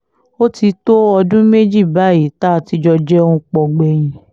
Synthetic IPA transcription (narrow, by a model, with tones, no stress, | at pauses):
o˦ti˧to˦ɔ˧dũ˦me˦d͡ʒi˦˨ba˨˦je˨ta˦˨ti˧d͡ʒɔ˧d͡ʒɛ˦ũ˦k͡pɔ˧ɡ͡bɛ˧j̃ĩ˧